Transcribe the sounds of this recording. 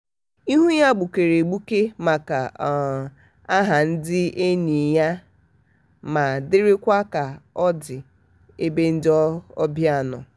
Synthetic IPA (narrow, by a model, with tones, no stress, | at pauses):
i˦ɦu˦ja˦ɡ͡bʊ˨ke˨ɾe˨ɡ͡bu˦ke˦ma˨ka˨ | a˦ɦa˨n̩˦dɪ˦e˦ni˨ja˦ | ma˨dɪ˦ɾɪ˦kʷa˦ka˨ɔ˦dɪ˨ | e˦be˦n̩˦dɪ˦ɔ˦ɔ˦bja˦˨nɔ̰˨